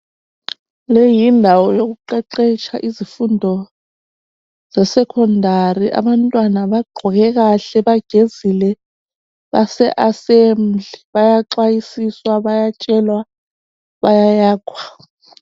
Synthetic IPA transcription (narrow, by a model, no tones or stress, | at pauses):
lejindʱawɔjoɣuǃɛǃet͡ʃʰaʔizifundʱɔ | z̥ɛsɛkʰɔndʱariʔa̰βantʼwanaβaɡ͡ǃʱɔɣɛɣaɬɛβaɡ̥ʱezilɛ | βa̰sɛʔasem̩d͡ɮɮʱiβajaǁwajisiswaβajat͡ʃʼɛlwa | βajajaːkʰwḁ